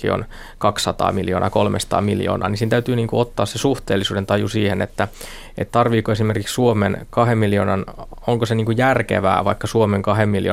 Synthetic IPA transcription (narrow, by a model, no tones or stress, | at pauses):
kḭo̰n | kɑksːɑt̪ɑ̰ːmiljo̰ːnʔɑ̰kolmḛst̪ɑ̰ːmiljo̰ːnʔɑ̰ːnisiːnt̪æyt̪yːniːŋkuot̪ːɑːssesuht̪eːlːisuːdent̪ɑjusiːhenet̪ːæ | ʔet̪t̪ɑrʋiːkoesimerkikssuomenkɑɦemːiljoːnɑn | oŋkoseniːŋkujærkḛʋæ̰ːʋɑikːɑsuomeŋkɑhemmiljo̰ː